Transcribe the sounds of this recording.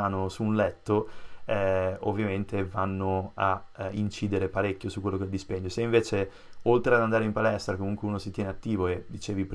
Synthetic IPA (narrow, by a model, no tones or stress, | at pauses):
aːnosuːnlɛt̪ːoɛo̰vːjament̪ʰevanːoaint͡ʃiːd̪eɾepaɾekʲːjosukwelːoked̪ːispeɲːoseiɱveːt͡ʃe | olt̪ɾead̪and̪aːɾeimpalɛst̪ɾakomuŋkweuːnosit̪jɛːneat̪ːiːvoed̪it͡ʃeːvipɾ